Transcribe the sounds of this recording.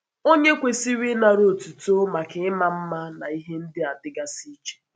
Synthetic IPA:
o˦ɲe˦kʷe˨si˦ɾi˦na˨ɾo˨tu˨to˦ma˨kɪ˨ɪ˦ma˦m̩˦ma˦na˨i˦ɦe˦n̩˦dɪ˦a˨dɪ˦ɡa˦si˦t͡ʃe̥˦

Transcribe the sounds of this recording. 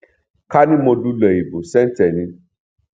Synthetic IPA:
ka˦nĩ˦mo˧du˦lɛ˨i˨bũ˨sɛ˦n˦tɛ˨nĩ˧

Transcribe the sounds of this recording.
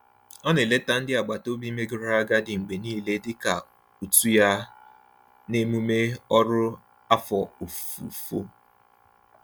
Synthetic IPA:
ɔ˦nɪ˨le˦ta˦n̩˦dɪ˦a˨ɡ͡ba˨to˦bi˦me˦ɡʊ˨ɾa˦a˦ɡa˦dɪ˨ŋ͡m̩˨ɡ͡be˨niː˦le˦dɪ˦ka˨ | u˨tu˦ja˦ | ne˦mu˦me˦ɔ˦ɾʊ˦ | a˦fɔ˨o˨fṵ˨fo̰˦

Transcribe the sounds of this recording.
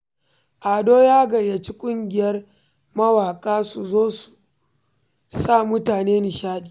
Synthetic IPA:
ʔaː˨doː˦jaː˦ɡɐ˨jɐ˨t͡ʃi˦kʷʼʊ˦ŋɡʲɪ˦jɐ˦r | mɐ˦waː˨kʼaː˦su˨zoː˦su̥˨ | sa˦˨mʊ˦taː˨neː˦ni˨ʃaː˦ɗiː˨

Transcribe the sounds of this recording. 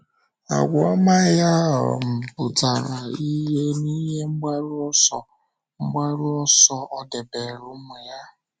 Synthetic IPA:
a̰˨ɡʷɔ˦ma˦ja˦ɦɔ̰˨m̩˨pʊ˨ta˨ɾa˨i˦ɦe˦ni˦ɦe˦ŋ͡m̩˦ɡ͡ba˦ɾu˦ɔ˦sɔ˨ | ŋ͡m̩˦ɡ͡ba˦ɾu˦ɔ˦sɔ˦˨ɔ˦de˨be˨ɾu˦me˨ja˦

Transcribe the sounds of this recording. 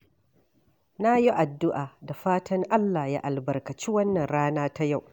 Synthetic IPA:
na˦ji˦ʔa˨dːʊ˦ʔaː˨da˨ɸaː˦tɐ˦ŋʔa˦lːaː˨ja̰˦ʔa˨lbɐ˨rkɐ˨t͡ʃi˦wɐ˦nːɐ˨nɽaː˦naː˦ta˦ja˦˨w

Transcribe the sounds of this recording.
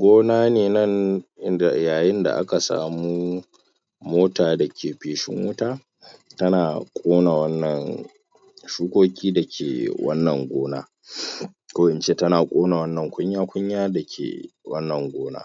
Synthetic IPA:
ɡʷoː˦naː˦neː˨nɐ˦nɪ˦a˨jaː˨jɪ˦nda̰˨ʔa̰˦ka˨sa̰ː˨mu˦ | moː˦taː˨dɐ˨kʲʰeː˨ɸeː˨ʃɪ̰˦ŋwʊ˦taː˦ | tɐ˦naː˨kʷʼoː˦na˨wɐ˦nːɐ˨n | ʃuː˦kʷoː˦kʲiː˦dɐ˨kʲʰḛː˨wɐ̰˦nːɐ˨ŋɡʷoː˦na̰ː˦ | kʷo˦ʔɪ˨nt͡ʃe˦tɐ˦naː˨kʷʼoː˦na˨wɐ˦nːɐ˨ŋkʷʊ˦ɲjaː˦kʷʊ˦ɲjaː˦dɐ˨kʲʰḛ˨wɐ˦nːɐ˨ŋɡʷoː˦na̰ː˦

